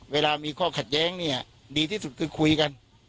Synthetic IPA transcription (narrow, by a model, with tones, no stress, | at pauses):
weː˧laː˧miː˧kʰɔː˥˩kʰa˨˩t̪̚jɛː˦˥ŋni˥˩ɐ | diː˧t̪ʰiː˥˩su˨˩kʰɯː˧kʰu˧jka˧n